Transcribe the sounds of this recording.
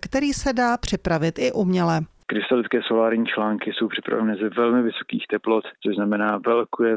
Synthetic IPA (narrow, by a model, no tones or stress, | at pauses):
kt̪ɛɾiːsɛdaːpr̝̥ɪpɾavɪt̪ɪʔumɲɛlɛ | kɾɪst̪alɪtt͡sskɛːso̞laːɾɲiːt͡ʃlaːŋkɪso̞wpr̝̥ɪpɾa̰vɛnɛːzɛvɛlmɪvɪso̞̥kḭːxt̪ɛplot̪t͡soʒznamɛnaːvɛlkujɛ